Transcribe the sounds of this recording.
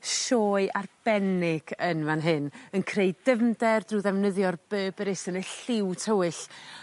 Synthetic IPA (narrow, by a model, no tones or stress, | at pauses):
ʃɔːɨʔarb̥ɛnɪɡ̥ənvanɦɨnənkʰreɨdəvndɛrdruðɛvnəðjɔrb̥əːbəɾɪsənəɬɪwtʰəwɨɬ